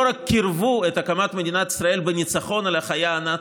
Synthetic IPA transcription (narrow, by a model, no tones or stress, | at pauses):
oɾakːiɾvuet̪akamat̪med̪inat̪i̥sɾɐe̞lbenʲit͡saχo̞nalaχajaːna